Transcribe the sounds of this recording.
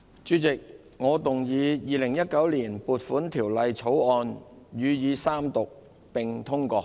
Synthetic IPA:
t͡ʃyː˨˧˥t͡sɪ˨k̚ | ŋɔː˨˧t̪ʊ˨˩ŋjiː˨˧jiː˨˧lɪ˨˩ŋjɐ˥t̚kɐ˨˥wliː˨˩npuː˨t̚fuː˨˥nt̪ʰiː˨˩wlɐ˨˧jt͡sʰo˨˥wɔː˧njyː˨˧jiː˨˧saː˥mt̪ʊ˨k̚ | pɪ˨ŋt̪ʰʊ˥ŋkɔː˧

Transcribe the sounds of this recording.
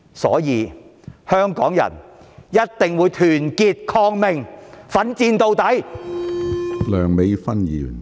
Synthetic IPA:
sɔ̰ː˨˥jiː˨˧hœː˥ŋkɔː˨˥ŋjɐ̰˨˩n | jɐ˥t̚t̪ɪ˨ŋwuː˨˧jt̪ʰyː˨˩nkiː˧t̚kʰɔː˧ŋmɪ˨ŋfɐ˨˥nt͡siː˧nt̪o˨˧wt̪ɐ˨˥j | lœː˨˩ŋme˨˧jfɐ˥njiː˨˩n

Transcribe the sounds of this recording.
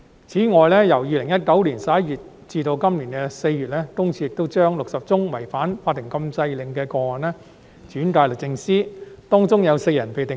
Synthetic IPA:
t͡sʰiː˨˥ŋɔː˨jlɛː˥jɐ˨˩wjiː˧lɪ˨˩ŋjɐ˥t̚kɐ˨˥wliː˨˩nsa˨˦˥jyː˨t̚ | t͡siː˧t̪o˧wkɐ˥mliː˨˩nkɛ˧se˧jjyː˨˩t̚lɛː˥t̪ʊ˥ŋʰiː˧jɪ˨k̚t̪o˥wt͡ʃœː˥ŋlʊ˨k̚sɐ˨p̚t͡sʊ˥ŋwɐ˨˩jfaː˨˥nfaː˧t̪ʰːɪ˨˩ŋkɐ˧msɐ˧jlɪ˨˩ŋkɛː˧kɔː˧ŋɔː˨˩nlɛ˥ | t͡ʃyː˨˥nkaː˧jlʊ˨k̚t͡sɪ˧ŋsiː˥t̪ɔː˥ŋt͡sʊ˥ŋjɐ˨˧wse˧jɐ˨˩npe˨jt̪ɪ˨

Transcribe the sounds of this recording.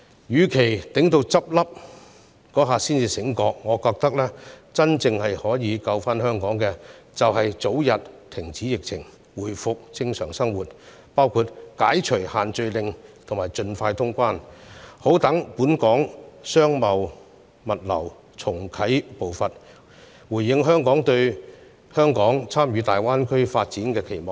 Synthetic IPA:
jyː˨˧kʰe˨˩jt̪ɪ˨˥ŋt̪o˧wt͡sɐ˥p̚lɐ˥p̚ | kɔː˨˥ɦaː˨siː˥nt͡siː˧sɪ˨˥ŋkɔː˧˥k̚ŋɔː˨˧kɔː˧k̚t̪ɐ˥k̚lɛː˥t͡sɐ˥nt͡sɪ˧ŋhɐ˨jhɔː˨˥jiː˨˧kɐ˧wfaː˥nhœː˥ŋkɔː˨˥ŋkɛː˧t͡sɐ˨wɦɐ˨jt͡so˨˥wjɐ˨t̚t̪ʰɪ˨˩ŋt͡siː˨˥jɪ˨k̚t͡sʰɪ˨˩ŋ | wuː˨˩jfʊ˨k̚t͡sɪ˧ŋsœː˨˩ŋsɐ˥ŋwuː˨˩t̚ | paː˥wkʰuː˧t̚kaː˨˥jt͡ʃʰɵ˨˩haː˨nt͡sɵ˧ɥlɪ˨ŋt̪ʰŋmaː˨˩jt͡ʃɵ˧nfaː˧jt̪ʰʊ˥ŋkʷaː˥nho˨˥wt̪ɐ˨˥ŋpuː˨˥nkɔː˨˥ŋsœː˥ŋmɐ˨w | mɐ˨t̚lɐ̰˨˩w | t͡sʰʊ˨˩ŋkʰɐ˨˥jpo˨wfɐ˨t̚ | wuː˨˩jːɪ˨˧ŋɦœː˥ŋkɔː˨˥ŋt̪ɵ˧ɥ | hœː˥ŋkɔː˨˥ŋt͡sʰaː˥mjyː˨˧˥t̪aː˨jwaː˥nkʰɵ˥ɥfaː˧t̚t͡siː˨˥nkɛː˧kʰe˨˩jmɔː˨˩

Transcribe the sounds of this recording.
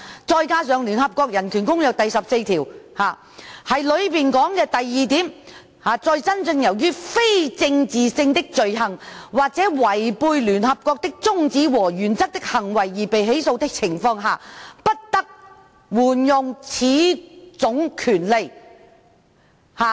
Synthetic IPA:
t͡sɔː˧jkaː˧sœː˨˩ŋlyː˨˩nɦɐ˨p̚kɔː˧k̚jɐ˨˩nkʰyː˨˩nkʊ˥ŋjɐ˨˧wt̪ɐ˨jsɐ˨p̚se˧jt̪ʰiː˨˩whaː˨˩ | hɐ˨jlɵ˨˧ɥpiː˨nkɔː˨˥ŋkɛː˧t̪ɐ˨jːiː˨t̪iː˨˥m | haː˨t͡sɔː˧jt͡sɐ˥nt͡sɵ˧ŋjɐ˨˩wjyː˥fe˥jt͡sɪ˧ŋt͡siː˨sɪ˧ŋt̪ɪ˥k̚t͡ʃɵ˨˧ɥɦɐ˨˩ŋwaː˨˩k̚t͡sɛː˨˥wɐ˨˩jpuː˧jlyː˨˩nɦɐ˨p̚kʷɔː˧k̚t̪ɪ˥k̚t͡sʊ˥ŋt͡siː˨˥wɔː˨˩jyː˨˩nt͡sɐ˥k̚t̪ɪ˥k̚hɐ˨˩ŋwɐ˨˩jːiː˨˩pe˨jɦe˨˥jso˧wt̪ɪ˥k̚t͡sʰɪ˨˩ŋfɔː˧ŋɦaː˨pɐ˥t̚t̪ɐ˥k̚ | wuː˨˩njʊ˨˧ŋt͡sʰiː˨˥t͡sʊ˨˥ŋkʰyː˨˩nle˨j | haː˨

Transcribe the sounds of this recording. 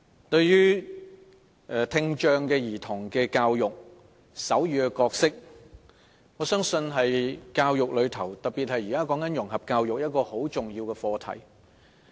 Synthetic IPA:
t̪ɵ˧ɥjyː˥ | ʔɛː˨˧t̪ʰɪ˧ŋt͡ʃœː˧ŋkɛː˧jiː˨˩t̪ʰʊ˨˩ŋkɛː˧kaː˧wjʊ˨k̚ | sɐ˨˥wjyː˨˧kɛ˧kɔː˧k̚sɪ˥k̚ | ŋɔː˨˧sœː˥ŋsɵ˧nɦɐ˨jkaː˧wjʊ˨k̚lɵ˨˧ɥt̪ʰɐ˨˩wt̪ɐ˨k̚pi˨t̚hɐ˨jiː˨kaː˥kɔː˨˥ŋkɐ˨˥njʊ˨˩ŋɦɐ˨p̚kaː˧wjʊ˨k̚jɐ˥t̚kɔː˧ho˨˥wt͡sʊ˨ŋjiː˧wkɛː˧fɔː˧t̪ʰɐ̰˨˩j

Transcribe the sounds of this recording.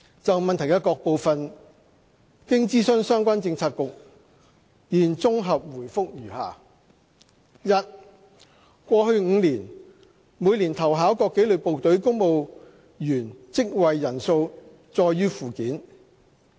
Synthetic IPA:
t͡sɐ˨wmɐ˨nt̪ʰɐ˨˩jkɐ˧˥kɔː˧k̚po˨wfɐ˨n | kɪ˥ŋt͡siː˥sɵ˥ŋsœː˥ŋkʷaː˥nt͡sɪ˧ŋt͡sʰaː˧t̚kʊ˨k̚ | jiː˨˩nt͡sʊ˥ŋɦɐ˨p̚wuː˨˩jfʊ˥k̚jyː˨˩ha̰ː˨˩ | jɐ˥t̚ | kʷɔː˧hɵ˧ɥŋ̩˨˧liː˨˩n | mu˨˥jliː˨˩nt̪ʰɐ˨˩wɦaː˨˥wkɔː˧kːe˨˥jlɵ˨˧k̚po˨wt̪ɵ˨˥ɥkʊ˥ŋmo˨˧w | jyː˨˩nt͡sɪ˥k̚wɐ˨jːɐ˨˩nso˧w | t͡sɔː˧jːyː˥fuː˨kiː˨˥n

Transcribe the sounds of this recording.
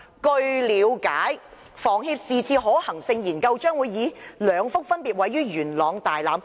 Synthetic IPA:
kɵ˧ɥliː˨˧˥wkaː˨˥j | fɔː˨˩ŋɦiː˧p̚siː˨t͡sʰiː˧ɦɔː˨˥hɐ˨˩ŋsɪ˧ŋjiː˨˩nkɐ˧wt͡ʃœː˥ŋwuː˨˧jːiː˨˧lœː˨˧ŋfʊ˥k̚fɐ˥npiː˨t̚wɐ˨˥jːyː˥jyː˨˩nlɔː˨˧ŋt̪aː˨jlaː˨˥m

